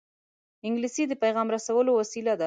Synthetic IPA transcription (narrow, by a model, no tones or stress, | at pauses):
ɪŋɡlisid̪əpajɣɑmɾasawəlowasilad̪a